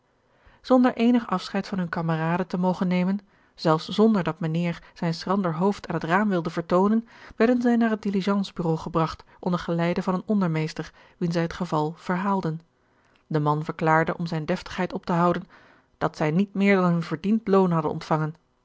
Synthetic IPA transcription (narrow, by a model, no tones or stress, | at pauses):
z̥ɔndəɹʔejnəχɑfsχɛjtfɑnɦɵnkaməraːdətəmowχənːejmən | z̥ɛlˠfsz̥ɔndəɹdɑtmanɪːɹz̥ɛjnsrɑndəɹɦowftaːnɦətraːmʋɪlˠdəvəɹtownənʋɛɹdənzɛjnaːɹɦət̚diliʒɑnzbyrowχəbrɑχtʔɔndəχəlɛjdəvɑnənɔndəɹmejstəɹ | ʋinzɛjɦətχəvɑlˠv̥əɹɦaːlˠdən | dəmɑnvəɹklaːɹdəʔɔmzɛjndɛftə̥χɦɛjtɔp̚təɦɑwdən | d̥ɑtsɛjnit̚mɪːɹdɑnɦɵnvəɹdintlownɦɑdə̰nʔɔ̰ntfɑŋən